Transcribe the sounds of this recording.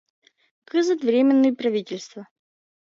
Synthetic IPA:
kɨzɨt̪vɾʲemʲɪnːɨjəpɾɐvʲitʲɪlʲst̪və

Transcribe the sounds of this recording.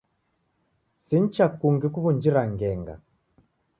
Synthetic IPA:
sin̩t͡ʃakuŋɡikuβund͡ʒiɾaŋɡɛŋɡa̰

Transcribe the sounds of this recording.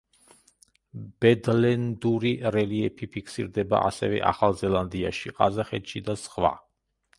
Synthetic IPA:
b̥ɛd̪lɛnd̪uɾiɾɛliɛpʰipʰikʰsḭɾd̪ɛba̰ʔasɛvɛ̰ʔa̰χalˠzɛlˠand̪iaʃiqʼazaχɛt̪ʃid̪asχwa̰

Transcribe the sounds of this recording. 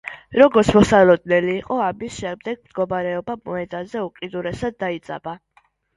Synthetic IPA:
ɾɔɡɔɾt̪sʰmɔsalɔd̪nɛliːqʼɔamisʃɛmd̪ɛɡ̥̚md̪ɡɔmaɾɛɔbamɔɛd̪azɛuqʼid̪uɾɛsad̪ːait̪sʼa̰ba

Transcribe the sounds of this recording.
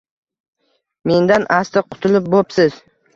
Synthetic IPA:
me̞nd̪anʔast̪ɪqʰʊ̥t̪ʰɪlɪp̚bopsɪz̥

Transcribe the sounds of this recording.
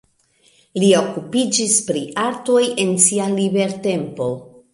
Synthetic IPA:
lio̞kupid͡ʒispɾiʔaɾto̞je̞nsialibe̞ɾte̞mpo̞

